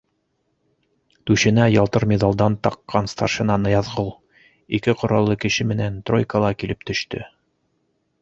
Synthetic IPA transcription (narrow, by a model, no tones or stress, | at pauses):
t̪ʉɕɘ̆næjɑlˠt̪ɤɾmʲed̪ɑlˠd̪ɑnt̪ɑqːɑnst̪ɑʃɤ̆nɑnɤjɑðʁɤlˠ | ikɘqŏɾɑlˠːɤkɘ̆ɕɘmɘ̆nænt̪ro̞jkəlˠɑkilɘp̚t̪ɵ̆ʃt̪ɵ̰